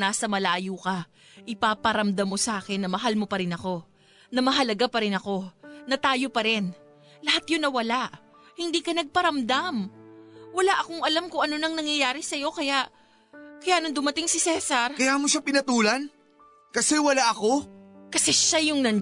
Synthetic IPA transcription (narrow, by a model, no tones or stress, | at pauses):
naːsɐmɐlaʔjuːkɐ | ʔɪpapɐɾɐmd̪amːo̞sɐʔaːkɛnːɐmɐɦalmo̞pɐɾɪnɐko̞ | nɐmɐɦɐlɐɡapɐɾɪnɐko̞nɐt̪aːjo̞pɐɾɪn | lɐhat̪jonːɐwɐlaʔ | hɪnd̪iːkɐnɐɡ̚pɐɾɐmd̪am | wɐlaʔɐko̞ŋɐlamkʊŋʔɐno̞nɐŋnɐŋjɐjaːɾɪsɐjo̞kɐjaʔ | kɐjaːnɐnd̪ʊmɐt̪ɪŋsɪsɛːsɐɾkɐjaːmoʃapɪnɐt̪uːlɐn | kɐsɛwɐlaʔɐko̞kɐsɛʃajʊŋnɐn